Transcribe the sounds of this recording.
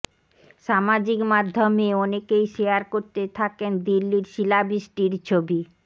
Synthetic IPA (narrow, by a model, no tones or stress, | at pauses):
ʃamad͡ʑikmad̪ʱːomeɔnekejʃejaɾkoɾt̪et̪ʰakend̪ilːiɾʃilabisʈiɾt͡ɕʰobi